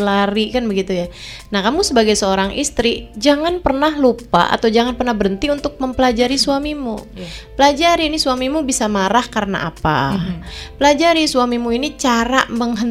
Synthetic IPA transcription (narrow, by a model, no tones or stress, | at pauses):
laɾikanbəɡit̪ujanahkamusəbaɡajsəoɾaŋʔḭst̪ɾid͡ʒaŋanpərnahlupa̰ʔa̰t̪awd͡ʒaŋanpərnahbəɾənt̪iunt̪ʊk̚məmpəlad͡ʒaɾisuamimu | pəlad͡ʒaɾiːnisuamimubisamaɾahkarəna̰apa̰ | pəlad͡ʒaɾisuamimuinit͡ʃaɾaməŋɦən